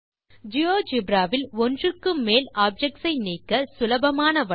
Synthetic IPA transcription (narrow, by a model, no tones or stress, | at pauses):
d͡ʒɪoːd͡ʒɪbɾaːʋɪlɔndrɯkːɯmːeːlaːb̚d͡ʒɛk̚ʈsɐɪniːkːɐsʊlɐbɐmaːnɐʋɐ